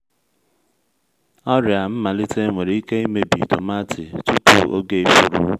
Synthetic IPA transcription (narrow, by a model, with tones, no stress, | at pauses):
ɔ˦ɾja˨m̩˦ma˨lɪ˦te˦ŋʷe˨ɾi˦i˦ke˦i˦me˦bḭ˨tʊ̰˨ma˦tʰɪ̰˨tu˦tṵ˦ʔo̰˦ɡe˦fu˦ɾṵ˦